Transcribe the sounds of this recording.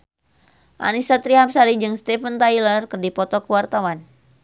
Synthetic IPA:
ʔa̰nisat̪ɾiɦamsaɾid͡ʒɨŋst̪ɛfənt̪ajlərkɨrdipɔt̪ɔkuwart̪awan

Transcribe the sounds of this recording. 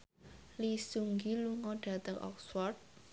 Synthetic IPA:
lisuŋɡiluŋɔɖ̥ä̤t̪əŋʔɔ̰kswɔrt̪̚

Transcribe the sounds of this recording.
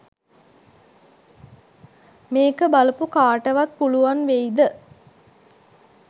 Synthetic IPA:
meːkəbalupukaːʈəʋat̪̚puluʋanʋejd̪ə

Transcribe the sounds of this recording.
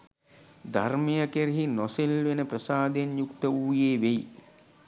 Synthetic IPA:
d̪ʱarmijakeɾiɦinɔselʋenəprəsaːd̪enjukt̪əuːjeːʋej

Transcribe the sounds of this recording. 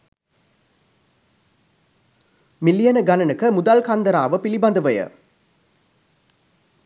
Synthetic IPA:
mɪlːijɐnɐɡɐnɐnɯkːɐmʊd̪alkand̪ɐɾaːʋɯpilibɐnd̪ɐʋɐjɐ̰

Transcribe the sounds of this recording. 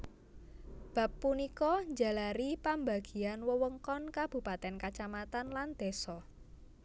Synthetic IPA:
b̥ä̤pːunikɔɲd͡ʒa̤laɾipambaɡ̥i̤anwəwəŋkɔnkab̥ṳpat̪ɛnkat͡ʃamat̪anland̪̥e̤sɔ

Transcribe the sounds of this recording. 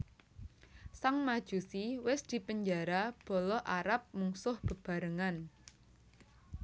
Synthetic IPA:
saŋmad̥ʒ̥ṳsiwɪsd̪̥i̤pəɲd͡ʒaɾab̥ɔ̤lɔʔaɾap̚muŋsʊhb̥ə̤b̥a̤ɾəŋan

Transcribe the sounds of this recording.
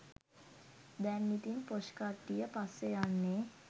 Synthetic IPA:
d̪ɛnːit̪inpoʃkaʈːijəpasːejanːe

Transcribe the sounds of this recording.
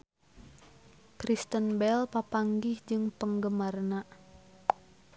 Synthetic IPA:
kɾist̪ənbɛlpapaŋɡɪhd͡ʒɨŋpəŋɡəmarna

